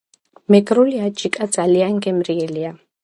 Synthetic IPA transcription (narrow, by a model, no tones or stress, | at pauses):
mɛɡɾuliat͡ʃikʼat͡saliaŋɡɛmɾiɛlia